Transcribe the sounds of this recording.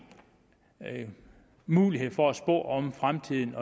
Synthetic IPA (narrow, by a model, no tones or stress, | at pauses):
muːliɦe̝ð̰ˠfɒ̽æsb̥ɔ̰̽ːɒ̽mfʁamt͡sʰið̰ˠn̩ɒ̽